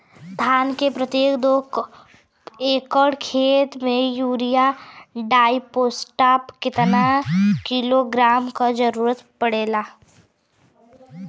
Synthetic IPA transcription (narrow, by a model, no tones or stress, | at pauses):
t̪ʰaːnkepɾət̪jeːkd̪oː | eːkɔɽkʰeːt̪mẽjuːɾijaɖaːipoːsʈaːpkɪt̪nakiloɡɾaːmkad͡ʒɐɾuːɾət̪pəɽeːlaː